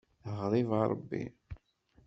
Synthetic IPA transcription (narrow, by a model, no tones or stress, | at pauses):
əʁɾˤivɑɾˤə̰bːḭ